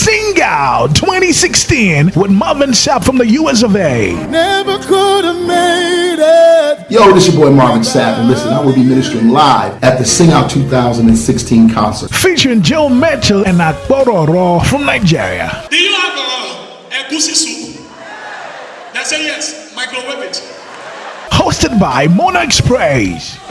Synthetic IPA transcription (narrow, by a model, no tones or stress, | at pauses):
sɪ̃ŋɡaʊltʰw̥ɛ̃ɾ̃isɪkstĩnwɪðmʌvɨ̃nsæpfɹʌ̃mðɨjuɛs̬ʌveɪnɛvəkʰʊɾəvmeɪɾɪt̚jɨoʊɾɪsəbɔɪmɑɹvɨ̃nsævə̃nlɪsɨ̃naɪwəd̚bimɪ̃ñɨstə˞ɪ̃nlaɪvɨt̪̚ðɨsɪ̃ŋaʊtʰʉθaʊzə̃ndɨ̃nsɪkstʰĩnkʰɑ̃nsə˞fit͡ʃə˞ɨ̃nd͡ʒomɛt͡ʃəl̩ˠɨ̃nak̚bɔɾɔɹɔfɹʌ̃mnaɪd͡ʒɪ̰ɹḭə̰d̥ɨjɨlaɪkəlɔ | ɨ̃ɡ̥usɨ̃suk | ðætsɛdjɛs | maɪkl̩ˠɹɛvɪs | hoʊstɨd̚baɪmɔnakspʰɹ̥eɪz̥